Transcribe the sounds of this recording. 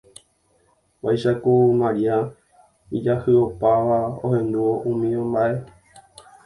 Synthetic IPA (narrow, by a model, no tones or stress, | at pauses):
ʋajʃakumaɾia | id͡ʒahɨo̞paʋaohẽ̞nd̪uoʔũmĩõmbaʔe̞